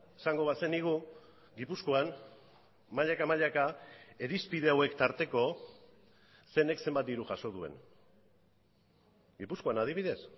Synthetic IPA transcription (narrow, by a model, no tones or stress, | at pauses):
esaŋɡo̞βase̞niɣ̞u | ɡipusko̞an | maʎakamaʎakae̞ɾispiðe̞awe̞kt̪aɾt̪e̞ko̞ | se̞ne̞kse̞mbat̪d̪iɾuʝaʃo̞ð̞ue̞̰n | ɡipusko̞anað̞iβ̞iðe̞s